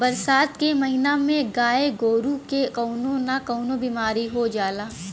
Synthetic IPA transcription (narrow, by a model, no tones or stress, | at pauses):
bɐɾsaːt̪kemɐɦɪnamẽɡaːeɡoːɾukekɔːnõnakɔːʊnõbiːmaːɾiɦod͡ʒaːlaː